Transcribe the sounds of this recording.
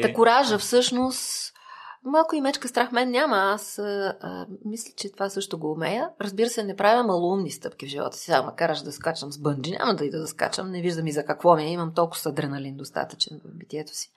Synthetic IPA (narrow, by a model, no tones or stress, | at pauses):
t̪ɐkʊɾaʒəfsɤʃnost̪ | malˠkʊimɛt͡ʃkəst̪ɾaxmɛnnʲaməasəə̰mislʲit͡ʃɛt̪ovasɤʃt̪oɡoːmɛjəɾɐzbiɾəsɛnɛpɾʔavʲəmːɐlˠuumnist̪ɤpk̟ʲivʒivɔ̰t̪ə̥si̥samɐkaɾəʃd̪ɐskat͡ʃəmzbɤnd͡ʒinʲʔa̰mɐd̪ɐid̪ɐd̪ɐska̰t͡ʃə̰mnɛviʒd̪ɐmizɐkɐkvɔmiɛimɐmt̪ɔlˠkʊ̥sɐd̪ɾɛnɐlind̪ost̪a̰t̪ə̥t͡ʃɛnvɐ̰vbit̪iɛt̪o̥si̥